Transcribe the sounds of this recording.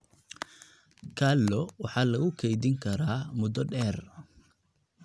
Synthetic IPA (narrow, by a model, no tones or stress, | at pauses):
kʰalːɔwɑħɑːlɐɣʊkʰɛjðɪŋkʰɐɾaːmʊd̪ɔɖɛːr